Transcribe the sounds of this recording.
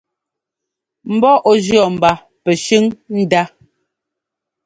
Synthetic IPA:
m̩˨bɔ˦ʔɔ˦d͡ʒɰɔ˨m̩˨ba˨ | pɛ˨ʃʉ˦ŋn̩˦da˦

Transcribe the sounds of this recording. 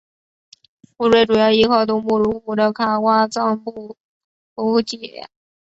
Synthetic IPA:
pu˥˧ʂwe˥˩ɪʈ͡ʂu˨˩jɑ˥˩ʊi˥kʰɑ˥˩ʊt̪ʊ˥˧ŋmu˥˩ɻu˧˥fu˨˩d̪ə˧kʰa˥˩kwa˥t͡sɑ˥˧ŋpu˥˩ | u˧˥t͡ɕjɛ˨˩˦

